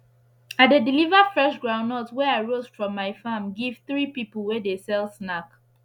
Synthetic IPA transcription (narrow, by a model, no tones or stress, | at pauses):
adedilivəfɹɛʃɡɹãʊ̃nɔtwɛaɪɹozfɹɔ̃mːaɪfamɡiv̥θɹipipəl̩ˠwɛdesɛlˠsnak